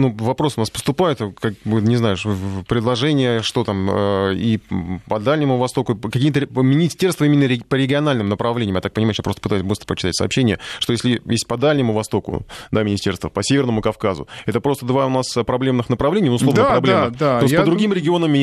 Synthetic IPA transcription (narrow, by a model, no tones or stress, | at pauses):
nuvɐpɾo̞sʊnaspəst̪ʊpajʊt̪kak̚bɨnʲɪznajʊʂpɾʲɪd̪lˠɐʐɛnʲɪjəʂt̪o̞t̪aməipɐd̪alʲnʲɪmʊvɐst̪o̞kʊkɐkʲijət̪̬əmʲɪnʲɪsʲtʲe̞rst̪vəimʲɪnːəɾʲɪpəɾʲɪɡʲɪɐnalʲnɨmnəpɾɐvlʲenʲɪmjat̪ak̚pənʲɪmajʊjapɾost̪əpɨt̪ajʊsʲbɨst̪ɾəpət͡ɕɪt̪atʲsə̰ɐ̰pɕːenʲɪjəʂt̪ojesʲlʲɪjesʲt̚ʲpɐd̪alʲnʲɪmʊvɐst̪o̞kʊ̰d̪amʲɪnʲɪsʲtʲe̞rst̪vəpəsʲevʲɪrnəmʊkɐfkazʊ̰ɛt̪əpɾo̞st̪əd̪vaʊnaspɾɐblʲe̞mnɨxnəpɾɐvlʲenʲɪjnʊsnlˠonəpɾɐblʲeəd̪aosʲtpəd̪ɾʊɡʲimɾʲɪɡʲɪo̞nəmʲɪ